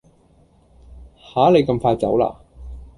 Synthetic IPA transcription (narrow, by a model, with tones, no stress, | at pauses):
haː˨˥le˨˧jkɐ˧mfaː˧jt͡sɐ̰˨˥wla̰ː˧